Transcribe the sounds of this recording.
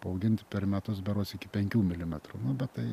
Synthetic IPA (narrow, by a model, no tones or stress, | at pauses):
pɐɐʊɡʲɪnt̪ʲpʲɛrmʲɛt̪ʊsbʲɛɾoːsɪkʲɪpʲɛŋʲkʲuːmʲɪlʲɪmʲɛt̪ruːnʊbʲɛt̪t̪ɐɪ